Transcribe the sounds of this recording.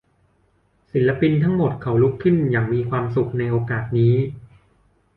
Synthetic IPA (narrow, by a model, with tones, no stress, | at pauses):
si˩˦nla˧pi˧nt̪ʰa˦˥ŋmo˨˩t̪̚kʰa˩˦wlu˦˥kʰːɯ˥˩njaː˨˩ŋmiː˧kʰwaː˧msu˨˩k̚na˧jʔoː˧kaː˨˩t̪̚niː˦˥